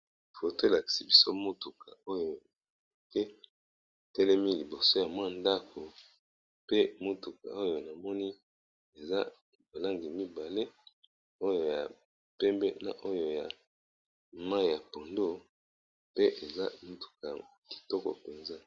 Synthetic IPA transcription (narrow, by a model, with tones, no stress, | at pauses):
fo˨to˦˨la˨ki̥˨si˨bi˦so˦mo˦tu˨ka˨o˦jo˨ke˦˨ | tɛ˦lɛ˦mi˦li˨bo˨so˦ja˨mwa˦nda˦kʰo˨ | pe˦mo˦tu˨ka̰˨o˦jo˨na˨mɔ˦ni˦ | e˨za˦ | ba˨la˦ŋɡi˨mi˦ba˨le˦ | o˦jo˨ja˨ | pɛ˦mbɛ˦na̰˨ʔo˦jo˨ja˨ | ma˦i˨ja˨po˨ndo˦ | pe˦ʔe˨za˦mo˦tu̥˨ka˨ | ki̥˨tɔ˦kɔ̰˨pe˨nza˦